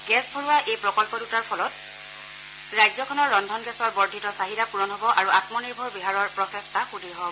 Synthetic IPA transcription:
ɡɛsbʱɔɹuwaʔejpɹɔkɔlpɔdutaɹpʰɔlɔt | ɹajzɔkʰɔnɔɹːɔndʱɔnɡɛsɔɹbɔɹdʱitɔsaɦiɾapuɹɔnɦɔbɔʔaɹuatmɔniɹbʱɔɹbiɦaɹɔɹpɹɔsɛstʰaxudʱiɹɦɔbɔb

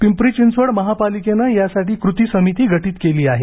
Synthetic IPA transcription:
pimpɾit͡ɕint͡sʋəɽməɦapalikenajasaʈiːkɾut̪iːsəmit̪iːɡʱəʈiːt̪keliːaɦe

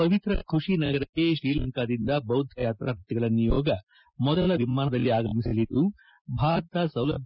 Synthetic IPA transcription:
pɐʋit̪ɾɐ̰kʰuʂinɐɡɐɾɐkːe̞ʃɾiːlɐŋkaːd̪ind̪ɐbɐwd̪ʱjɐjaːt̪ɾaːɾɐt̪iɡɐɭɐnijɔːɡɐ | mɔd̪ɐlɐʋimaːnɐd̪ɐlːiaːɡɐmisɐlid̪u | bʱaːɾɐt̪asɐwlɐ̰b

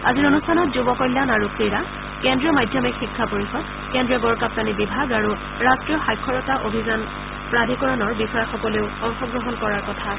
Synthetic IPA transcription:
a̰ziɹonustʰanɔtzubɔkɔjlːanaɹukɹiɹa | kɛndɹijɔmajdʱjɔmikxikʰːapoɹixɔd̚ | kɛndɹiɔɡɔɹkap̚tanibibʱaɡaɹu | ɹastɹijɔxajkʰːɔɹɔtaʔobʱizan | pɹadʱikɔɹɔnɔɹbixɔjaxɔkɔleʊɔŋxɔɡɹɔɦɔnkɔɹaɹkɔtʰa

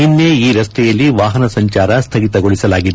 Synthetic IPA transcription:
inːeiːɾɐst̪ʰɛjɐlːiʋaːɦɐnɐsɐɲt͡ʃaːɾɐst̪ʰɐɡit̪ɐɡoɭisɐlaːɡid̪e

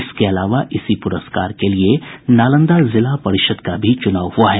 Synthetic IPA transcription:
ɪskeɐlaːʋaʔɪsipʊɾəskaːɾkelienaːlə̃nd̪azɪlapɐɾɪʃəd̪kabʱit͡ʃʊnaːʋɦuaɦɛː

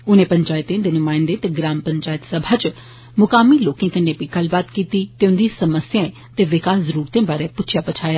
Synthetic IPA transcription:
ʊnẽːpəɲt͡ʃaːɪt̪ẽd̪eːnʊmãːɪ̃nd̪eːt̪eɡɾaːmpəɲt͡ʃaːjət̪səbʱaːt͡ʃ | mʊkaːmiːloːkẽːkənːẽːpiɡəlbaːt̪kiːt̪iːt̪eːʊnd̪iːsəməsjãːẽ | t̪eːʋɪkaːszəɾuːɾt̪ẽːbaːɾeːpʊtːʃʰɪjaːpət͡ʃʰaːjaː

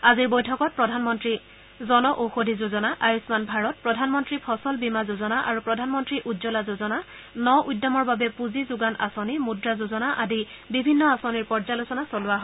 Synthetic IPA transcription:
aziɹbojtʰɔkɔt̚pɹɔdʱanmɔntɹi | zɔnɔʔoxodʱizuzɔnaʔajusmanbʱaɹɔt̚pɹɔdʱanmɔntɹipʰɔsɔlbimazuzɔnaʔaɹupɹɔdʱanmɔntɹiʔudzɔlazuzɔna | nɔʔujdːɔmɔɹbabɛpuzizʊɡanʔa̰sonimudɹazuzɔnaʔadi | bibʱinːɔasoniɹpɔɹzalosɔnasolʊwaɦɔ

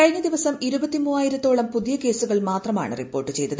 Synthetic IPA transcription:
kɐɻiɲːɐd̪iʋɐsɐmiɾubɐt̪ːimuːaːjiɾɐt̪ːo̞ːɭɐmpuðijɐke̞ːsuɣɐɭmaːt̪rɐma̰ːɳɨ̰ripːo̞ːrʈːɨt͡ɕe̞jt̪ːɐðɨ

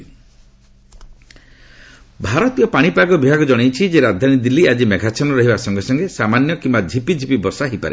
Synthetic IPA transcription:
bʱaɾɔt̪ijɔpaɽ̃ipaɡɔbibʱaɡɔd͡ʒɔɽ̃ejt͡ʃʰid͡ʒeɾad̪ʱanid̪ilːiad͡ʒimeɡʱat͡ʃʰɔnɔɾɔɦibasɔŋɡesɔŋɡesamanjɔkimbad͡ʒʱipid͡ʒʱipibɔsaɦipa̰ɾḛ

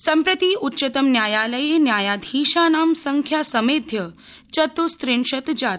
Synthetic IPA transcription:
sɐmpɾət̪iːutːɕət̪əmnjaːjaːləjenjaːjad̪ʱiːʃaːnaːmsəŋkʰjasɐmeːd̪ʱjə | t͡ɕɐt̪ust̪ɾeɳʂɐt̪d͡ʑat̪

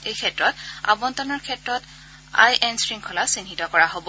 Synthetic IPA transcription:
ejkʰɛtɹɔta̰bɔntɔnɔɹkʰɛtɹɔt | a̰jʔɛnsɹiŋkʰɔlasinɦitɔkɔɹaɦobɔ

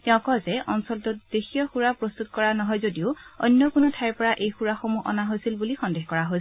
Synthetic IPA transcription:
tɛʊ̃kɔzɛʔɔnsɔltutd̥exʰijɔxuɹapɹost̪utkɔɹanɔɦɔjzodiʊɔjnːɔkunɔtʰajɹpɔɹaʔejxuɹaxomuʔɔ̰naɦojsilbulixɔndexkɔɹaɦoj

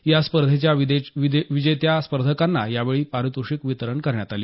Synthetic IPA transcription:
jaspəɾd̪ʱet͡ɕjaʋid̪eʋid̪ʋid͡ʑəjt̪jaspəɾd̪ʱəkanːajaʋeɭiːpaɾut̪uʂikʋit̪əɾəɳkəɾɳjat̪aliː

